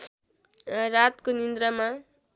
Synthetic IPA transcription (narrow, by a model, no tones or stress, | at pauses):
rat̪konind̪ɾʌma